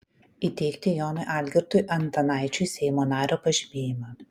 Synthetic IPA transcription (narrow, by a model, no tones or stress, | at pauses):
it̪ʲɛɪkʲt̪ʲɪjoːnɐɪʔɑːlʲɡʲɪɾt̪ʊjʔɐnt̪ɐnɑˑɪt͡ʃʲʊsʲɛɪmoːnɑːɾʲoːpɐʒʲimʲeːjɪmɑː